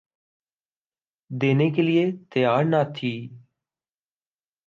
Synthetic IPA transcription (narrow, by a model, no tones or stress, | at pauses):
d̪eːneːk̬eːlɪeːt̪əjaːɾnaːt̪ʰiː